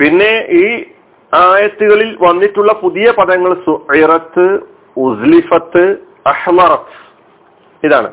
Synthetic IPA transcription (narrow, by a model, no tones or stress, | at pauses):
pinːe̞iː | aːjɐt̪ːuɣɐɭilʋɐnːiʈːuɭːɐpuðijɐpɐðɐŋːɐɭsuʔiɾɐt̪ːɨ | uzlifɐt̪ːɨ | ɐħðɐɾɐt̪ːɨ̥ | iðaːɳɨ̰